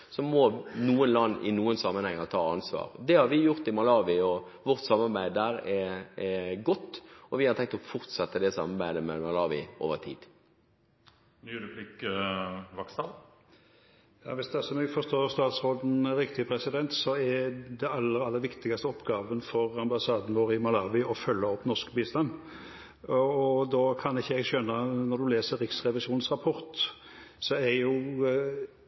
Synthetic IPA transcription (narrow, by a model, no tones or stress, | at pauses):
sɔmɔnuːənlɑnːʔɪ̰nuːənsɑmːənhɛŋɑt̪ʰɑːɑnsʋɑ̰ːʁd̪ɛhɑɾʋɪjʊʁt̪ɪmɑlɑːʋɪɔʋɔʁt̪sɑmːɑʁbæɪd̪əɾɛɛɡɔt̪ːɔʋɪhɑɾt̪ʰɛŋk̚t̪ɔfʊʁt̪sɛt̪ːəd̪ɛsɑ̰mɑɾbæɪd̪əmɛmɑlɑːʋɪ̰ʔo̰ːʋəʁt̪ʰḭːd̪̥ | nyːɾəpʰliːkəʋɑkst̪ɑn | jɑ̰ːʋɪsd̪ɛæsɔmɛɡfɔst̪oːɾst̪ɑːt̪sɾoːd̪n̩ɾɪkt̪ɪpʰɾɛsɪd̪ɛnt̪sɔɛd̪ɛɑlːəɾɑlːəɾʋɪkt̪ɪɡɑst̪əɔpːɡɑːʋənfɔʁɑmbɑsɑːd̪ən̩ɡoːɾɪmɑlɑːʋɪɔfœlːəɔpːnɔʂkbiːst̪ɑn | ɔd̪ɔːkʰɑnɪçːəɛɡʃœnːənɔd̪ʉleːsəɾɾɪksʁɛʋɪsuːnsʁɑpʰɔɾt̪ | sɔæɾjʊ